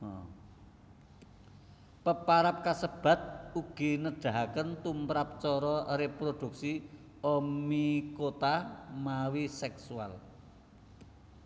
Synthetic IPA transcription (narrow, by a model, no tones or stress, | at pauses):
pəpaɾap̚kasəb̥ä̤t̪̚uɡ̥i̤nəɖ̥a̤ɦakənt̪umpɾap̚t͡ʃɔɾɔɾepɾod̪̥ṳk̚si | omikot̪amawisɛksual